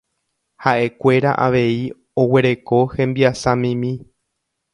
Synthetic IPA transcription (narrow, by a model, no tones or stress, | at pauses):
haʔe̞kʷe̞ɾa̰ʔa̰ʋe̞i | owe̞ɾe̞ko̞hẽ̞mbiasãmĩmĩ